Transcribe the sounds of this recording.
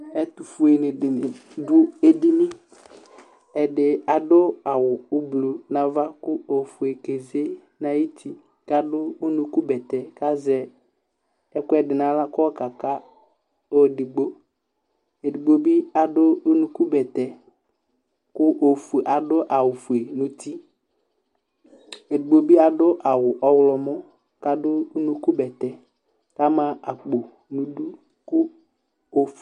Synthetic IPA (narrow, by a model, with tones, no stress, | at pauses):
ɛ˦t̪u˨fu˨e˨nɪ˨dɪ˨nɪ˨dʊ˦e˦di˦mɪ˦ | ɛ˨dɪ˨a˨dʊ˦a˨wʊ˨ʊ˦blu˨nã˨va˦kʊ˦o˨fu˨e˨ke˨ze˦ | na˨i˦tʰi˨ | ka˨dʊ˦o˦nu˨ku˦bɛ˨tɛ˨ka˦zɛ˨ | ɛ˦kʊ˦ɛ˨dɪ˨na˨˦la˦kɔ˦ka˨ka˦ | o˨dɪ˨ɡ͡bo˦ | e˨di˨ɡ͡bo˦bi˦a˨dʊ˦u˦nu˦ku˦bɛ˨tɛ˨ | kʊ˦ʔo˨fu˨ʔa˨dʊ˦ʔa˨wʊ˨fu˨e˨nʊ˨ti˦ | e˨di˨ɡ͡bo˦bi˦a˨dʊ˦ʔa˨wʊ˨ʔɔ˦wlɔ˨mɔ˦ | ka˨dʊ˦u˦nu˦ku˦bɛ˨tɛ˨ | ka˦mã˨a˨k͡po˨ | nu˨du˦ | kʊ˦ | o˨f